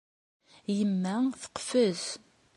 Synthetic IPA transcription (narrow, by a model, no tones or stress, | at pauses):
jəmːæθə̥qːfəz